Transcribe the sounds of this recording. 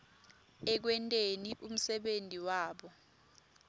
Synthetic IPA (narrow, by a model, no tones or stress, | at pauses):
ɛk̬wɛntʼeniʔum̩sɛɓentʼiwaːɓɔ